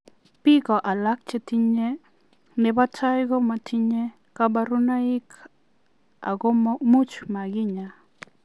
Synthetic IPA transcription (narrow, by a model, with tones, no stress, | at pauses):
pi˦kɔ˨ʔa˨lak̚t͡ʃe˦t̪i˦ɲe | nɛ˨ba˦tajɡɔ˦ma˨tʰi˦ɲe˦ | kaba˦ɾu˦nai˦k | a̰˨ɡommu˦t͡ʃma˨ɡɪ˦ɲa˨